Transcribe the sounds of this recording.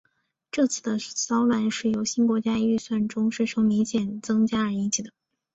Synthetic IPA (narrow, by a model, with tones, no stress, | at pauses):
ʈ͡ʂɤ˥˧t͡sʰɹ̩˥˩d̪ə˩sɑ˥ʊlwa˧˥nʂɻ̩˥˩jo˧˥ʊɕi˥nkwɔ˧˥t͡ɕja˥˧y˥˧swa˥˩nʈ͡ʂʊ˥ŋʂe˥˩ʂʰo˧˥ŋli˧˥nɕjɛ˨˩nt͡sɤ˥ŋt͡ɕja˥ə˞˧˥i˧˥t͡ɕʰi˨˩d̪ə˩